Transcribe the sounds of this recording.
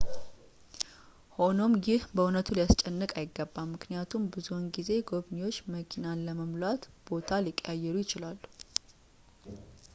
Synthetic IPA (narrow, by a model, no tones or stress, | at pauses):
ho̞no̞mjɪhbəʊnət̪ʰulijast͡ʃʼɛnːəkʼajɪɡːəbːammɨknijat̪ʰumbɨzunɡize̞ɡo̞βniwo̞t͡ʃːməkʰinaləməmlat̪b̥o̞t̪ʰalikʼːjajːɛɾujɪt͡ʃɪlalː